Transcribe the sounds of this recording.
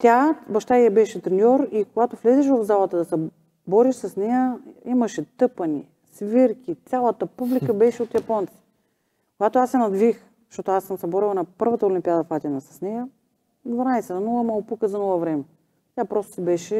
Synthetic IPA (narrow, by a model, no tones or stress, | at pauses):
t̪ʲabɐʃt̪aiɐbɛʃɛt̪ɾɛnʲɔɾikoɡat̪oflɛzɛʃ̬vɐvzalˠɐt̪əd̪ɐsɛ | bɔɾiʃsɐsnɛjəimɐʃɛt̪ɤpɐnḭ | sviɾkʲit̪sʲalˠət̪əpublikəbɛʃɛot̪jɐpɔnt̪si̥ | koɡat̪oasːɛnɐd̪vix | zʃt̪ot̪ʊasːəmsɛbɔɾilˠnɐpɤɾvɐt̪əolʲimpʲiad̪ɐfat̪ʲɛnɐsɐ̥snɛjə | d̪vɐnajsɛnɐnulˠəmɐlˠpukəzɐnɔlˠəvɾɛmɛ | t̪ʲjapɾɔst̪o̥sibɛʃɛ